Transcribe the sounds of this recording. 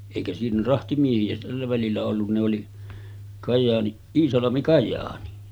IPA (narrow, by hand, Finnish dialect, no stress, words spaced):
eˑikæ siːnæ rɑhtimiehiæ tælːæ ʋælilːæ olːun ne oli kɑjɑːni iːsɑlɑmi kɑjˑɑːni